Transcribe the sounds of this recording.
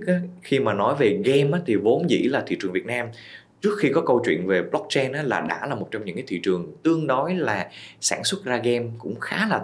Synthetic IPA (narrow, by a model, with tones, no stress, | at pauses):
kʔaː˨˦xi˧maː˨˩nɔ˨˦jve˨˩ɣɛ˧mʔaː˨˦t̪ʰi˨˩vo˨˦nzḭ˧˥laː˨˩t̪ʰi˧˨t͡ɕɨ˨˩əŋvi˨˩ət̚naː˧m | t͡ɕɨ˦˥ək̚xi˧kɔ˨˦kə˧wt͡ɕwḭ˧˨ənve˨˩ɓlɔ˦˥k̚t͡ɕɛ˧nʔaː˨˦˥laː˨˩ɗa̰ː˧˥˩laː˨˩mo˨˩t̚t͡ɕɔ˧wŋ͡mɲɨ̰˧˥ŋkaː˨˦jt̪ʰḭ˧˨t͡ɕɨ˨˩əŋt̪ɨ˧əŋɗɔ˨˦jlaː˨˩saː˧˩nswə˦˥t̚zaː˧ɣɛ˧mkʊ̰˧˥ŋ͡mxaː˨˦laː˨˩